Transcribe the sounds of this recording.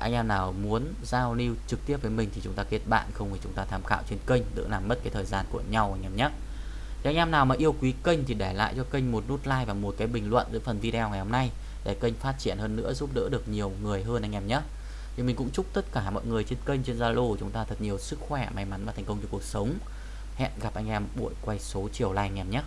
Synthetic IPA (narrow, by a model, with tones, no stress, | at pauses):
ʔa̰˧jŋ̟ʔɛ˧mnaː˨˩wmu˨˦ən | zaː˧wli˧wt͡ɕɨ˨˩k̚t̪i˦˥əp̚vəː˨˦jmï˨˩ŋ̟t̪ʰi˨˩t͡ɕʊ˨˦ŋ͡mt̪aː˧ki˦˥ət̚ɓa̰ː˧˨nxə˧wŋ͡mmi˧˩t͡ɕʊ˨˦ŋ͡mt̪aː˧t̪ʰaː˨˧˩mxa̰ː˧˨wt͡ɕe˧nkə˧jŋ̟ɗɨ̰˧˥laː˨˩mːə˦˥t̚kaː˨˦jt̪ʰəː˨˩jzaː˧nku˧˩əɲa˧wʔa˧jʔɛ˧˩mɲə˦˥t̚ | a˧jʔɛ˧mnaː˨˩wmaː˨˩ʔi˧əwkwi˨˦kə˧jŋ̟t̪ʰi˨˩ɗɛ˧˩la̰ː˧˨jt͡ɕɔ˧kə̈˧jŋ̟mo˨˩t̚nu˦˥t̚laː˧jvaː˨˩mu˨˩˦kaː˨˦jɓï˨˩ŋ̟lwə̰˧˨nzə̰˧˥jfə˨˩nvi˧ɗɛ˧wŋa˨˩jho˧mna˧j | ɗe˧˩kə˧jŋ̟faː˦˥t̚t͡ɕi˧˩ənhəː˧nːɨ̰˧˥əzu˦˥p̚ɗə̰˧˥ɗɨ˨˩ək̚ɲi˨˩əwŋɨ˨˩əjɦəː˧nʔa˧ŋ̟ʔɛ˧˩mɲə˦˥t̚ | ɲɨ˧mï˨˩ŋ̟kʊ̰˧˥ŋ͡mt͡ɕʊ˦˥k͡p̚t̪ə˦˥t̚kaː˧˩mɔ̰˧˨jŋɨ˨˩əjt͡ɕe˧nkə˧jŋ̟t͡ɕe˧nzaː˧lo˧t͡ɕʊ˨˦ŋ͡mt̪aː˧t̪ʰə˨˩t̚ɲi˨˩əwsɨ˦˥k̚xwɛ˧˩ma˨˩˦jma˨˦nva˨˩t̪ʰŋ̟kə˧ŋ͡mt͡ɕɔ˧˩ku˨˩ə˩k̚sə˨˦wŋ͡m | hɛ̰˧˨nɣa˨˩p̚ʔa˧jŋ̟ʔɛ˧mɓu˧˩ə˨jkwa˧jso˨˦t͡ɕi˧˩əwlaː˧˩jŋɛ˧˩mɲə˦˥t̚